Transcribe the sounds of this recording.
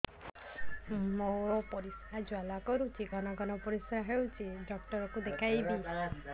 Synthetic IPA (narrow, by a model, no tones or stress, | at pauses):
moɾɔpɔɾisad͡ʒwalakɔɾut͡ʃʰiɡʱɔnɔɡʱɔnɔpɔɾisɾaɦewt͡ʃʰiɖɔk̚ʈɔɾɔkud̪ekʰajbi